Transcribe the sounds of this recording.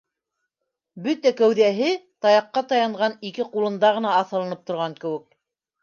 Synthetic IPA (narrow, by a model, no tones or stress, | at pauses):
bɵt̪ækæwðæɦɘt̪ɑjɑqːɑt̪ɑjɑɴʁɑnikɘqulˠɤ̆nd̪ɑʁɤ̆nɑːθɤ̆lˠɤ̆nɤp̚t̪ŏɾʁɑŋkɘ̆wɘ̆k̚